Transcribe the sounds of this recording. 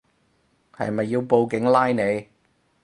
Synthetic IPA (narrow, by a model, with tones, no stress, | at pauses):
hɐ̰˨jmɐ˨jːi˧wpo˨˧wkɪ˨˥ŋlaː˥jne˨˧j